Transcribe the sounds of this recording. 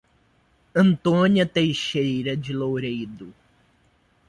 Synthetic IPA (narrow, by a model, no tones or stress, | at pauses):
ɐ̃nt̪õniɐt̪ejʃejɾɐd͡ʒɪlowɾejd̪ʊ